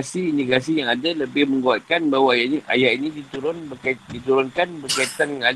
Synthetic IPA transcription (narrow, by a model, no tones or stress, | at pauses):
siːndiɡas̬ijaŋadaləbɪhmə̃ŋɡuat̪̚kanbaɦwaajaʔnʔa̰jaʔinĩdit̪uɾʊnbəkadit̪uɾʊnkanbərkait̪anaŋad